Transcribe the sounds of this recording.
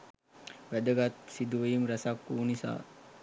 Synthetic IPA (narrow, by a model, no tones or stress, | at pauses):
ʋæd̪əɡat̪sid̪uʋəjimɾɛsakːuːnisa̰ː